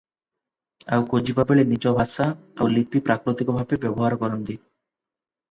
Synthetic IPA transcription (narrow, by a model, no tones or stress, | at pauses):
a̰wkod͡ʑibabeɭenid͡ʑɔbʱaʃaawlipipɾakɾot̪ikobʱabebɛboɦaɾkɔɾond̪i